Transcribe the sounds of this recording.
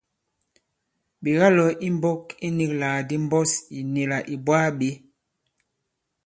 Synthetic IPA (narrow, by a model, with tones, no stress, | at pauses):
bi˨ɣa˦lɔ˨ʔi˦m˦bɔ˦ki˦ni˦klaː˨di˦m˦bɔ˦si˨ne˨la˨ʔi˨bwaː˦ɓe˦